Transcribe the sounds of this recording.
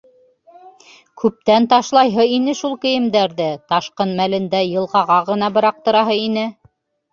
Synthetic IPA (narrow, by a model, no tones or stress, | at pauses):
kʉp̚t̪ænt̪ɑʃlˠɑjɦɤinɘʃulˠkɘ̆jɘ̆md̪æɾðɘt̪ɑʃqɤnmælɘ̆nd̪æjɤ̆lˠʁɑʁɑʁɤ̆nɑbɤ̆ɾɑq̚t̪ɤ̆ɾɑɦɤinɘ